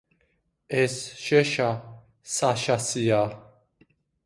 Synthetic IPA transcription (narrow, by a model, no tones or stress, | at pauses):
ɛsʃɛʃa | saʃasija